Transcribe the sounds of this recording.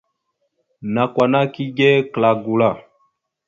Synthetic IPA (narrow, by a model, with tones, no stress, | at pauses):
na˨kwa˨na˦ki˦ɡɛ˦kla˨ɡu˨la˦˨